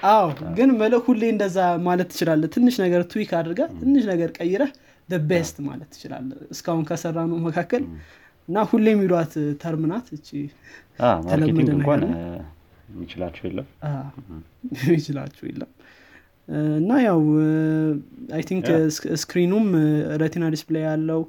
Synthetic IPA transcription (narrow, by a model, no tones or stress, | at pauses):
ʔawɡɨnməlhulːeɨnd̪əzːamalət̪ːɨt͡ʃɪlalːət̪ʰɨnːɨʃnəɡəɾt̪ʰuwikʰad̪ɾɡət̪ʰɨnːɨʃnəɡəɾkʼəjːɪɾə | d̪əbːehəst̪ʼma̰lət̪ːɨ̥t͡ʃɪla̰lːəɨskahunkʰəsərːanəməkʰakːəl | ɨnːahulːemːilwat̪t̪ʰəɾmɨnat̪ɨt͡ʃːia̰ələmːəd̪ənakʷl | mit͡ʃɪla̰t͡ʃːɛwjḛlːəma | jɛmit͡ʃɪla̰t͡ʃːɛwjḛlːə̰m | ɨnːajaw | ajt̪ʰiŋkskɾinumɾət̪ʰenad̪isblajjalːəwu